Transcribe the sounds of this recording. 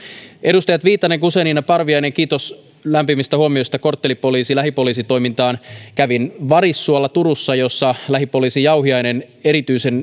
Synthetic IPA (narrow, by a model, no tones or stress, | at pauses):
e̞dust̪ɑjɑt̪ʋiːt̪ːˑɑneŋkuseninːɑpɑrʋiɑjne̞ŋkiːt̪o̞s | læmpimist̪æhuomio̞jst̪ɑko̞rt̪ːelipo̞liːsilæɦipo̞liːsit̪o̞jmint̪ɑːnkæʋinʋɑrisːuɑlːɑt̪uɾusːɑjosːɑlæɦipo̞liːsijɑuɦiɑjnen | e̞ɾit̪yise̞n